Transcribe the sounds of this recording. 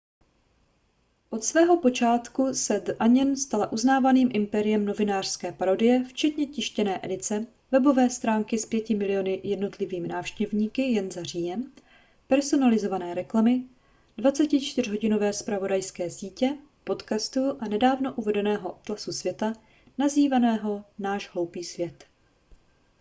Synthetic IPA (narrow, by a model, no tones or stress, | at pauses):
ʔo̞t̪svɛːɦo̞po̞t͡ʃaːt̪kusɛd̪ʔaɲɛnst̪alaʔuznaːvaniːmʔɪmpɛɾɪjɛmno̞vɪnaːr̝̥skɛːpaɾo̞dɪjɛft͡ʃɛt̪ɲɛcɪʃcɛnɛːʔɛdɪt͡sɛ | vɛbo̞vɛːst̪ɾaːŋkɪspjɛcɪmɪlɪjo̞nɪjɛdno̞t̪lɪviːmɪnaːfʃcɛvɲiːkɪjɛnzar̝iːjɛm | pɛɾso̞nalɪzo̞vanɛːɾɛklamɪ | dvat͡sɛcɪt͡ʃt̪ɪr̝ɦo̞ɟɪno̞vɛːspɾavo̞dajskɛːsiːcɛ | po̞t̪kast̪uʔanɛdaːvno̞ʔuvɛdɛnɛːɦo̞ʔot̪lasusvjɛt̪a | naziːvanɛːɦo̞naːʒɦlo̞wpiːsvjɛt̪